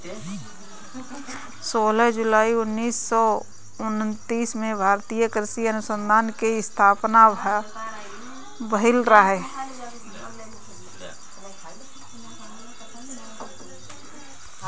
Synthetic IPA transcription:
soːləɦd͡ʒʊlaːiʊnːiːsːɔ | ʊnt̪iːsmẽbʱaːɾt̪iːjəkɾɪsiənʊsə̃nd̪ʱaːnkeɪst̪ʰaːpna | bəɦɪlɾaɦɛː

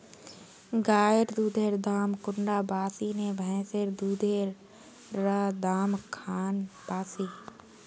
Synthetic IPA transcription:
ɡaːjəɾd̪uːd̪ʱeːɾd̪aːmkʊɳɖaːbaːsiːnebʱɛ̃ːseɾd̪uːd̪ʱeːɾ | ɾad̪aːmkʰaːnb̥aːsiː

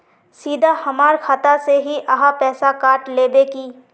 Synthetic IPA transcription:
siːd̪ʱahɐmaːɾkʰaːt̪aseɦiʔɐɦapɛːsakaːɾʈleːbekiː

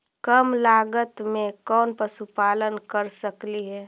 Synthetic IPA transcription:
kəmlaːɡət̪mẽkɔːnpəsupaːlənkəɾsəkliɦɛː

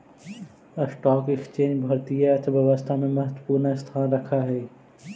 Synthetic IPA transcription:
ɐsʈɔːkɪkst͡ʃẽːɲd͡ʒbʱɐɾt̪ijat̪ʰʋɐʋəst̪ʰamẽmɐɦət̪wəpuːɾnaɪst̪ʰaːnɾɐkʰaɦɛː

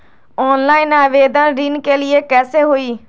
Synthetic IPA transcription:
ɔːnlaːinaːʋeːd̪ãːnɾinkeːlɪeːkɛːseːɦoːiː

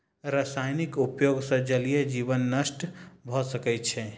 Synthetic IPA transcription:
ɾəsajnikupjoɡsə̃d͡ʒəlijed͡ʒibənːəsʈbʱɔsəkɛt̪t͡ʃʰɛ

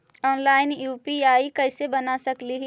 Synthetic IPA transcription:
ɔːnlaːɪnjuːpiaːikəɪsebənasəkliɦ

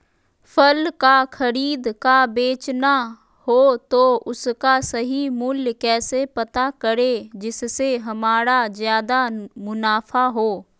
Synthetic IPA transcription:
fʰəlkaxʰɐɾiːd̪kabeːt͡ʃna | hoːt̪oʊskasɐɦimʊljkɛːsepɐt̪akəɾed͡ʒɪsːeɦɐmaːɾazjaːd̪amʊnaːfʰaɦoː

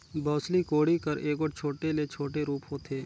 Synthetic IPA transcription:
bɔːslikoːɽikəɾeːkoʈt͡ʃʰoːʈelet͡ʃʰoːʈeɾuːpɦoːt̪ʰeː

